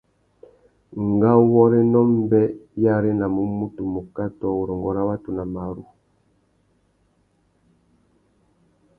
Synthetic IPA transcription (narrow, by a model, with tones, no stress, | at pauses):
ŋ˨ɡa˦wɔ˦ɾe˦nɔ˦m˦bɛ˦ja˦ɾe˦na˨mu˨˦mu˦tu˨mu˨ka˦tɔ˦u˨ɾɔ˨ŋɡɔ˨ɾa˦wa˦tu˨na˨ma˨ɾṵ˨